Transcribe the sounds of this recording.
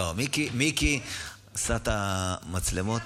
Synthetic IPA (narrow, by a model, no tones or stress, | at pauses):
omikimiki | asat̪amat͡slemot̪